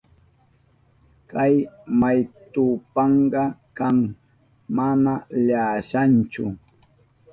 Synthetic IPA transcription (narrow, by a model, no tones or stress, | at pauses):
kajmajt̪ʊpɑɴɢɑkaŋ | mamaʎaːʃant͡ʃʊ